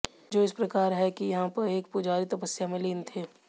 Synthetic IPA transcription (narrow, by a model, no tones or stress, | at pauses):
d͡ʒoːɪspɾɐkaːɾɦɛkijɐɦãpɐɾeːkpʊd͡ʒaːɾit̪ɐpəsːjamẽleːnt̪ʰeː